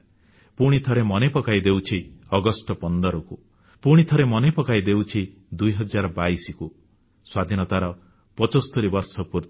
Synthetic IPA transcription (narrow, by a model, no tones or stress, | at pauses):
puɽ̃it̪ʰɔɾemɔnepɔkajd̪ewt͡ʃʰiɔɡɔsʈɔpɔnd̪ɔɾɔku | puɽ̃it̪ʰɔɾemɔnepɔkajd̪ewt͡ʃʰi | d̪ujɦɔd͡ʒaɾɔbaisiku | swad̪ʱinɔt̪aɾɔ | pɔt͡ʃost̪ʰoɾibɔɾsɔpuɾ